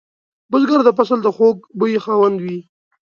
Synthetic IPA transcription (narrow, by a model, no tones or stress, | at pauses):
bʊzɡaɾd̪əpasəld̪əxok̚bəjixɑwand̪wi